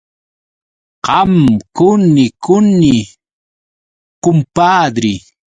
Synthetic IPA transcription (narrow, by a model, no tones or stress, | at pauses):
qɑmkʊnɪkʊnɪ | kʊmpaːd̪ɾɪ